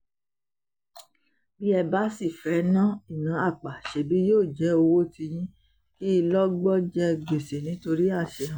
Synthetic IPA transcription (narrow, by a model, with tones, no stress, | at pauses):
bi˦ɛ˧ba˦si˦˨fɛ˨˦nã˦˨i˦˨nã˨˦a˦˨k͡pa˨ʃe˨bi˨˦joː˦˨d͡ʒɛ˨˦o˧wo˦ti˧jĩ˦ | ki˦i˧lɔ˦ɡ͡bɔ˦d͡ʒɛ˧ɡ͡be˨se˨nĩ˨˦to˧ɾi˦a˦˨ʃɛ˨˧ɦã˨